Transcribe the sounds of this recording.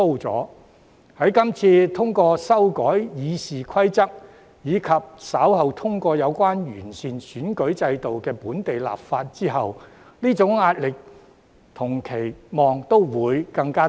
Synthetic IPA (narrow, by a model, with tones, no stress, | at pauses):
o˥wt͡sɔ̰ː˨˥ | hɐ˨˥jkɐ˥mt͡sʰiː˧t̪ʰʊ˥ŋkɔː˧sɐ˥wkɔː˨˥jjiː˨˧siː˨kʰɐ˥jt͡sɐ˥k̚ | jiː˨˧kʰɐ˨p̚sɐː˨˥whɐ˨wt̪ʰʊ˥ŋkʷɔː˧jɐ˨˧wkʷwaː˥njy̰ː˨˩nsiː˨nsyː˨˥nkɵ˨˥ɥt͡sɐ˧jt̪o˨wkɛː˧puː˨˥nt̪e˨jla̰ː˨p̚faː˧t̚t͡siː˥ɦɐ˨w | liː˥t͡sʊ˨˥ŋːaː˧t̚lɪ˨k̚ | t̪ʰʊ˨˩ŋkʰe˨˩jmɔː˨ŋt̪o˥wwuː˨˧jkɐ˧ŋkaː˥